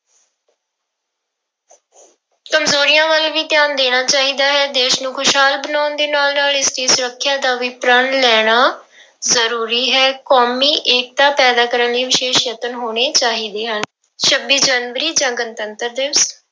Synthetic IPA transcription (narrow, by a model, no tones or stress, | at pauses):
kəmzoːɾɪjãːʋəlʋiːt̪ɪjaːnd̪eːɽ̃aːt͡ʃaːɦiːd̪aːɦɛːd̪eːʃnũːkʰʊʃɦaːlbənaːnd̪eːnaːlnaːlɪst̪iːsʊɾəkʰːjaːd̪aːʋiːpɾənlɛːɽ̃aː | zəɾuːɾiːɦɛːkoːmiːʔeːk̚t̪aːpɛːd̪aːkəɾənliːʋɪʃeːʃjət̪ənɦoːɽ̃eːt͡ʃaːɦiːd̪eːɦən | ʃʰəbiːd͡ʒaːnʋəɾiːd͡ʒãːɡənt̪ənt̪əɾd̪eːs